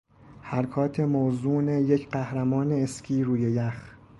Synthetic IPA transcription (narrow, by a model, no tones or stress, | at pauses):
hæɾkʰɒːt̪ʰe̞mozuːnejecʰɢæhɾæmɒːneːscʰiːɾuːjejæx